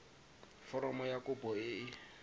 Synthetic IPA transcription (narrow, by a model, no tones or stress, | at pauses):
fɔɾɔmɔjakʊbɔɪ